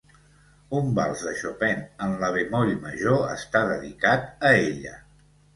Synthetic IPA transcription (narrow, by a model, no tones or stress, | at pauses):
umba̰lˠzðəʃopɛnənləβemɔɾiməʒoə̰st̪aðəðikat̪̚əeʎə̰